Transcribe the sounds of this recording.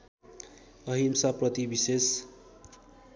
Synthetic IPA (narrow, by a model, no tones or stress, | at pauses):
ʌɦimsaprʌt̪ibises